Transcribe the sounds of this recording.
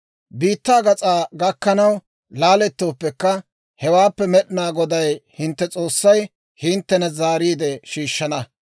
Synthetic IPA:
biːt̪ːaːɡɐt͡sʼaːɡɐkːɐnɐw | laːlɛt̪ːo̞ːpːɛkːɐ | hɛwaːpːɛmɛɗɪnaːɡɔd̪ɐjhɪnt̪ːɛt͡sʼo̞ːsːɐj | hɪnt̪ːɛnɐzaːɾiːd̪ɛʃiːʃːɐnɐ

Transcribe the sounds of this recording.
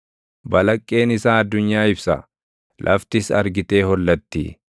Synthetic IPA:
bɐlɐkʼːe̞ːnɪsaːɐd̪ːʊɲːaːɪbsɐ̰ | lʔɐ̰ft̪ɪsɐ̰ɾɡɪt̪e̞ːhɔlːɐt̪ːḭː

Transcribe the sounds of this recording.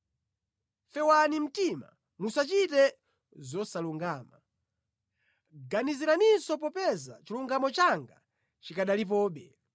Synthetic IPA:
fɛwanim̩tima̰ | musat͡ʃitɛ | zɔsaluŋɡaːma | ɡaniziɾaninsɔp̬ɔpɛza̰t͡ʃiluŋɡamɔt͡ʃaŋɡa̰ | t͡ʃikaɗalip̬ɔːɓɛ

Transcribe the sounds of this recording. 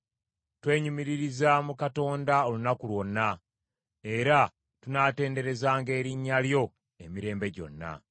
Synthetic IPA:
twe̞ːɲumiɾiɾizamukato̞ːndao̞lunakulwo̞nːa | e̞ɾa | tunaːte̞ːnde̞ɾe̞zaːŋɡe̞ːɾiɲːaljo̞ | e̞miɾe̞ːmbe̞ɟo̞̰nːa̰

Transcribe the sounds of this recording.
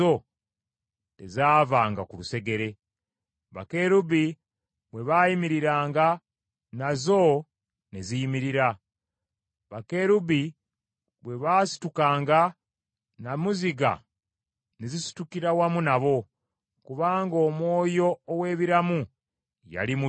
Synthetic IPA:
o | te̞̰zaːvaːŋɡakuluse̞ɡe̞ɾe̞ | βa̰ke̞ɾuβi | βwe̞βajimiɾiɾaːŋɡa | nazo̞ | ne̞zijimiɾiɾa | βake̞ɾuβi | βwe̞βaːsi̥tukaːŋɡa | namuziɡa̰ | nezisi̥tukiɾawamunaβo̞ | kuβaːŋɡo̞ːmwo̞ːjo̞ːwe̞ːβiɾamu | ja̰limu

